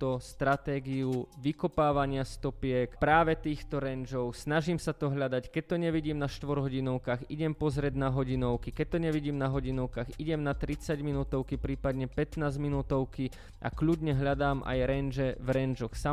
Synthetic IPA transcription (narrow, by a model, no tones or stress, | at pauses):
t̪ɔst̪ɾat̪ɛːɡiuʋikɔpaːʋaɲɪast̪ɔpɪɛkpɾaːʋɛt̪iːxt̪ɔɾɛnd͡ʒɔʊsnaʒiːmsat̪ɔɦʎad̪ackɛc̚t̪ɔɲɛʋiɟiːmnaʃt̪ʋɔɾɦɔɟinɔʊkaːxiɟɛmpɔzɾɛd̪naɦɔɟinɔʊkikɛc̚t̪ɔɲɛʋiɟiːmnaɦɔɟinɔʊkaːxiɟɛmnat̪ɾit͡saɟminuːt̪ɔʊkipɾiːpad̪ɲɛpɛt̪naːzminuːt̪ɔʊki | ʔa̰kʎud̪ɲɛɦʎad̪aːmʔa̰jɾɛnd͡ʒɛvɾɛnd͡ʒɔxsa